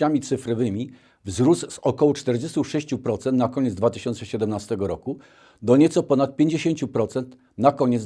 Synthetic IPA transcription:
amʲit̪sɘfɾɔvɘmʲi | vzɾuszɔkɔwɔt͡ʂt̪ɛɾd͡ʑest̪uʂɛɕt͡ɕupɾɔt̪sɛnt̪nakɔɲɛt̪zd̪vat̪ɘɕɔnt̪sɛɕɛd̪ɛmnast̪ɛɡɔɾɔku | d̪ɔɲɛt̪sɔpɔnat̪̚pʲjeɲd͡ʑeɕeɲt͡ɕupɾɔt̪sɛnt̪ | nakɔɲɛ

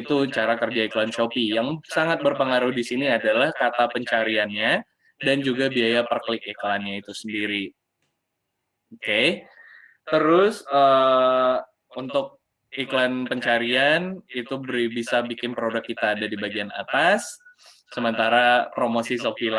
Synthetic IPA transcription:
t̪ut͡ʃaɾakərd͡ʒaiklant͡ʃopijaŋsaŋat̪̚bərpəŋaɾuhdisiniadalahkat̪apəɲt͡ʃaɾianɲa | dand͡ʒuɡabiajapərklɪk̚iklanɲait̪usəndiɾi | oke | t̪əɾʊsəː | unt̪ʊk̚ | iklanpəɲt͡ʃaɾianit̪ubəɾibisabikɪnpɾodakːit̪aːdadibaɡiana̰t̪as | səmənt̪aɾapɾomosisopil

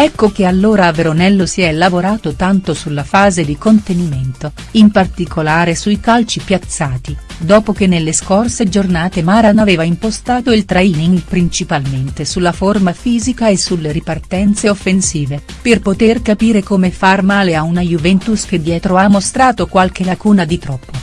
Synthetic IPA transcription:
ɛkːok̟ealːoːɾaveɾonɛlːosiɛlavoɾaːt̪ot̪ant̪osulːafaːzed̪ikont̪eniment̪o | impart̪ikʰolaːɾesujkalt͡ʃipjat̪sːaːt̪id̪ɔːpok̟enːelːeskorsed͡ʒornaːt̪emaːɾanaveːvaimpost̪aːt̪oilt̪ɾaiːniŋɡpɾint͡ʃipalment̪esulːaformafiːzikaesulːeɾipart̪ɛnt̪seofːensiːve | perpot̪erkapiːɾekomefarmaːleaunajuvɛnt̪usk̟ed̪jɛːt̪ɾoamːost̪ɾaːt̪okwalk̟elakuːnad̪it̪ɾɔpːo

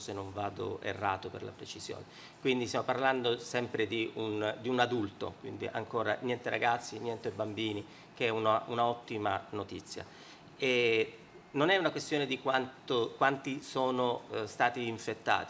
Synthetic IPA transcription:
senːoɱvaːd̪o̰ḛrːa̰ːt̪opḛrla̰pɾet͡ʃiz̥jo̰ːne | kwind̪ist̪jamoparland̪osɛmpɾed̪iund̪iunad̪ult̪o̰kwḭnd̪ḭʔa̰ŋkoːɾa̰njɛnt̪eɾʔa̰ɡat̪sːinjɛnt̪ebambiːni | kɛunaunaɔt̪ːimanot̪it̪sːja̰ | e | nonɛunakwest̪joːned̪ikwant̪okwant̪isoːnost̪aːt̪iːɱfet̪ːa̰ːt̪i

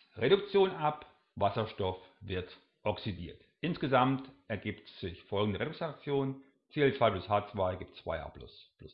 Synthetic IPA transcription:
ʁedʊkt͡sjoːnʔap | vasɐʃtɔfvɪɐt | ʔɔksidḭːɐt | ʔɪnsɡ̥əzamtʔɛɐɡiːptz̥ɪçfɔlɡŋ̩dəʁedʊsat͡sjoːnn | t͡seːlt͡sv̥aɪblʊshaːt͡sv̥aɪɡiːptv̥a̰ɪa̰ːb̥lʊ̰sb̥lʊs

